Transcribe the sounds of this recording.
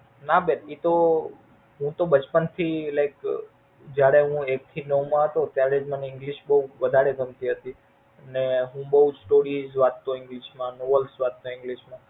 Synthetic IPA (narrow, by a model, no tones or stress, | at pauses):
nabenit̪o | ɦũt̪obət͡ʃpənt̪ʰilajk | d͡ʒjaɽeɦũek̚t̪ʰinəʋmãɦət̪ot̪jaɾed͡ʒməneɪŋɡliʃbəuʋəd̪ʱaɾeɡʱəmt̪iɦət̪i | əneɦũbəɦud͡ʒsʈoɾizʋat̪ːõɪ̃ŋɡliʃmãnoʋəlsʋat̪ːoɪ̃ŋɡliʃmã